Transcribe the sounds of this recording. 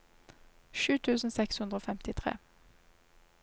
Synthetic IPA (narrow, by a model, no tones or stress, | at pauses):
ʃʉːt̪ʰʉːsn̩sɛkshʉnd̪ʁəoːfɛmt̪ɪt̪ʰʁḛː